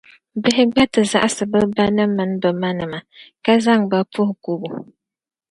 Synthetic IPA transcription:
bɪ˦ɦɪ˦ɡ͡ba˦tɨ˨za̰˦ʔa˦sɨ˨bɨ˦ba˦nɨ˦mːɨ˨n˦dɔ˨ma˦nɨ˨ma˨ka˦za˦ŋba˦pʊ˦hʊ˨ku˦bu˨

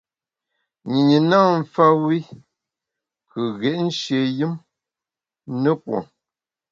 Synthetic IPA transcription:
ɲi˨ɲi˨na˦˨m̩˦˨fa˦wi˦ | kʰɨ˨ɣɛ˨ʔn̩˦ʃje˨jɨ˦m | nə˦pwɔ̰˨ŋ

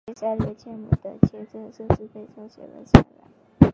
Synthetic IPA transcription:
ɕja˥˩lɛ˧˥t͡ɕʰjɛ˥˩mṵ˨˩d̪ə˦t͡ɕʰjɛ˥˧t͡sə˥˧ʂɤ˥˧ʂɻ̩˥˧fe˥˩ɪʈ͡ʂʰɑ˧˥ŋɕjɛ̰˨˩lə̰˧˥ɕjɛ̰˨˩la̰˧˥˦

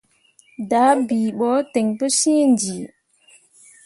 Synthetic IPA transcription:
da˨˦biː˨ɓɔ˨˦te˨ŋpə˦sĩː˦nd͡ʒi˨

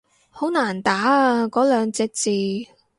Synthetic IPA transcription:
ho˨˥wnaː˨˩nt̪aː˨˥a˧kɔː˨˥lœː˨˧ŋt͡sɛː˧k̚t͡siː˨˧

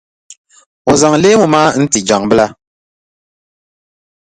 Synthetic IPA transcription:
o˨za˨ŋleː˦mu˨maː˦n̩˦ti˨d͡ʒa˨ŋbɨ˦la˦

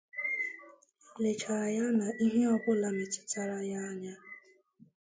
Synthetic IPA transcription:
le˨t͡ʃa˨ɾa˨ja˦na˨ʔi˦ɦe˦ɔ˨bʊ˦la˨mɪ˨tɪ̥˦ta˦ɾa˦ja˦ɲa˦

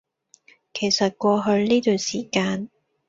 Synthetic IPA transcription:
kʰe˨˩jsɐ˨t̚kʷɔː˧ɦɵ˧ɥniː˥t̪yː˨˩nsiː˨˩kaː˧n

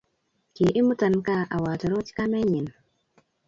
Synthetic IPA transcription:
ke˨ʔɪ˦mu˦ta˨nka˦ʔa˨wa˨tɔ˨ɾɔ˦ti̥˦ka˦mɛ˦ɲɪ˨n

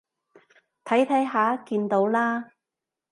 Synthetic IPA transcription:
t̪ʰɐ˨˥jt̪ʰɐ˨˥jɦaː˨˥kiː˧nt̪o˨˧˥wlaː˥

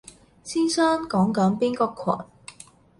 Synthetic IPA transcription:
siː˥nsœː˥ŋkɔː˨˥ŋkɐ˨˧˥npiː˥nkɔː˨˧kʰːɔ̰ː˨˩n

